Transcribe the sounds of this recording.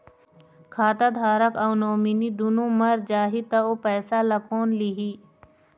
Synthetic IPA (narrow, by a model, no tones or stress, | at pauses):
kʰaːt̪ad̪ʱaːɾəkɐwnoːminid̪ʊnomɐɾd͡ʒaːɦit̪ɐoːpɛːsalɐkoːnliɦiː